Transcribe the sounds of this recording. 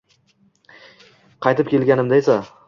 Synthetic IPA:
qʰɑjt̪ɪp̚kʲʰe̞lɡʲanɪmd̪aesa

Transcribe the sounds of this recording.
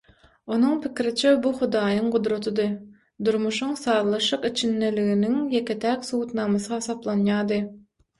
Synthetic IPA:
onuŋpʰikʲɾit͡ʃʰɛbuχud̪ɑːjɯŋqʊd̪ɾot̪ʰɯd̪ɯ | d̪uɾmuʃuŋsɑːɾlˠɯʃɯqit͡ʃʰinːeliɣiniŋjekʲet̪ʰækʲsuːt̪nɑːmɑsɯhɑsɑplˠɑnjɑːd̪ɯ

